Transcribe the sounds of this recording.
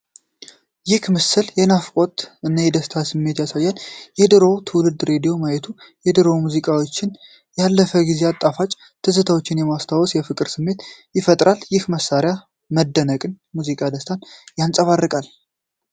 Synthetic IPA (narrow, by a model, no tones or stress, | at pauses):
jɪhmɨsːɨljɛnafkʼo̞t̪ɨnːajɛd̪əst̪ʰasɨmːe̞t̪jasajːanjɛd̪ɨɾo̞wt̪ʰɨwlɨd̪ɾe̞d̪ijo̞majɛt̪ʰujɛd̪ɨɾo̞muzikʼawo̞t͡ʃːɪn | jalːəfəɡize̞at̪ʼːafat͡ʃʼ | t̪ʰɨzɨt̪ʰawot͡ʃːɪnjɛmast̪ʰawɔsjɛfɨkʼɨɾsɨmːe̞t̪jɪfət̪ʼɾaljɪhməsːaɾja | məd̪ːənəkʼɨn | muzikʼad̪əst̪ʰanjansʼəβarːɨkʼal